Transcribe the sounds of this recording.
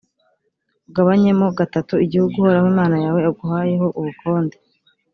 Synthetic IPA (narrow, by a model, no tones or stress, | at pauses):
ɡaβaɲe̞mo̞ɡatatuiɟihuɡuho̞ɾahwiːmaːnajaːwe̞aɡuhaːje̞ho̞ʔuβukʰo̞ːnde